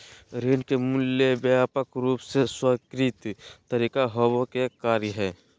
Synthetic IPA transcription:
ɾeːnkemʊljebaːpəkɾuːpseswəkɾiːt̪əɾiːkaɦoːwokekaːɾjəɦɛː

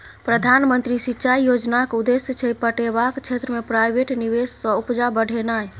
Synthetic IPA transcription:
pɾəd̪ʱanmənt̪ɾisitːt͡ʃaijod͡ʒnakud̪esjət͡ʃʰəpəʈebakt͡ʃʰet̪ɾəmepɾajbeʈniβessə̃upd͡ʒabəɽ̤ʱenaj

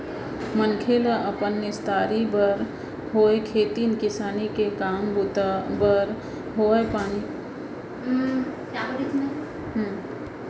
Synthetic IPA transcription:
mənkʰeːlaʔəpənːɪst̪aːɾibəɾ | ɦoːekʰeːt̪inkɪsaːnikekaːmbʊt̪abəɾ | ɦoːepaːni | kabəɾikne | ɦ

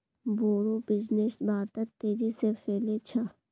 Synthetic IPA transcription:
boːɾobɪd͡ʒnesbaːɾt̪ək̚t̪eːɾisefeːlet͡ʃʰa

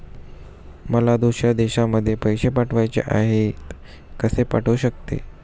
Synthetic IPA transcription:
məlad̪uɕjad̪eɕaməd̪ʱːjepəjɕepaʈʰʋajt͡ɕḛʔaɦet̪ | kəsepaʈʰuɕəkt̪ḛ

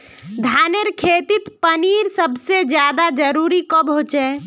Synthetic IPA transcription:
d̪ʱaːneɾkʰeːt̪ɪt̪pəniːɾsəbsed͡ʒjaːd̪ad͡ʒəɾuːɾikobɦoːt͡ʃɛː

